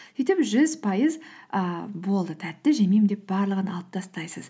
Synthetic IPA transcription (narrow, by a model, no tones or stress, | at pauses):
sejt̪e̞bʒʏzpʰɑjəzəbo̞lˠd̪ət̪ʰæt̪ːɪʒemejmd̪ep̚bɑɾlˠəʁənɑlˠəp̚t̪ʰɑst̪ɑjsəz